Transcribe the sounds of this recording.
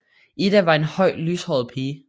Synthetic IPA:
id̥æʋɑ̈e̝nhɒ̽ɪ̰lyːshɒ̰ʊð̩ˠpʰiː

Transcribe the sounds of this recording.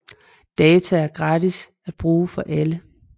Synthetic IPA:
d̥ɛːt͡sʰæːɐɡ̥ʁɑ̈dis | æd̥̚b̥ʁuːfɒ̽ʔælə

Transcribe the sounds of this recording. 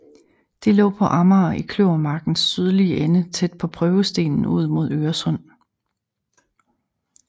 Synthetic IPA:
d̥e̝lɔ̰̽ːpʰɒ̽ʔɑ̈mɐːʔikʰløʊɐmɑ̈ɡ̥n̩sːyð̞ˠliəʔenət͡sʰed̥̚pʰɒ̽pʰʁœːʊəsd̥e̝̰ːnn̩uð̞̰ˠmo̝ð̞̰ˠøːɐsɔ̽n̰

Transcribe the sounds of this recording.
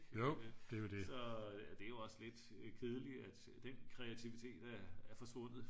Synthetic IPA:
jod̥ejod̥e̝sɒ̽d̥e̝æjo̝ɒ̽sle̝d̥kʰeð̞ˠəliæd̥ | d̥enkʰʁɛæt͡sʰiʋit͡sʰe̝̰ːd̥æɐæɐfɒ̽sʋɔ̽n̰ð̩ˠ

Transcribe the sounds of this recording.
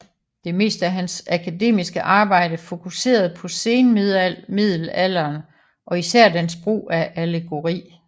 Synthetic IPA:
d̥e̝me̝̰ːsd̥æɦænsækʰæde̝̰ːmisɡ̥əʔɑ̈ːb̥ɑ̈ɪ̰dəfo̝kʰuse̝̰ːɐð̞ˠpʰɒ̽se̝ːnmmið̞̰ˠl̩æl̰ɐːn | ʔɒ̽isæɐ̰d̥ænsb̥ʁṵːæʔæleɡ̥o̝ʁḭː

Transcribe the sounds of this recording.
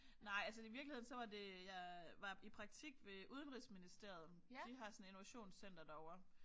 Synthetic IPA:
nɑ̈ɪ̰æls̬əiʋiɐɡ̥lihe̝ðˠnsɒ̽ʋɑ̈de̝jɑ̈ʋɑ̈ipʰʁɑ̈ɡ̥̚t͡sʰiɡ̥ʋe̝ʔuð̞ˠnʁisminisd̥e̝ɐð̞̩ˠ | d̥iɦɑ̈sɔneno̝ʋæɕo̝̰ːnsen̰d̥ɐd̥æɒʊɐ

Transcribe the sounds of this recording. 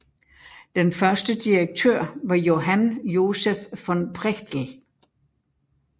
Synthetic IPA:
d̥enfɶɐsd̥əd̥iʁeɡ̥̚t͡sʰø̰ːɐ̰ʋɑ̈jo̝ɦænjo̝sefːɒ̽npʰʁɛɡ̥d̥l̩

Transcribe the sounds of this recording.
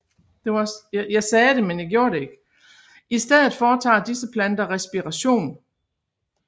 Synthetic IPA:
d̥e̝ʋɑjɑ̈ɪsɛːd̥e̝menjäɡ̥jo̝ɐɾe̝e̝ɡ̥ | isd̥eð̞̰̩ˠfɒːt͡sʰɑ̰̈ːd̥isəpʰlænd̥ɐʁɛsb̥iʁɑɕo̝̰ːn

